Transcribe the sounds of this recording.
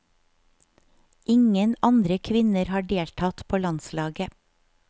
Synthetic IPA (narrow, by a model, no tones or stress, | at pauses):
ɪŋənɑnd̪ɾəkʰʋɪnəɾhɑːɖeːlʈʰɑt̪pʰoːlɑnslɑːɡə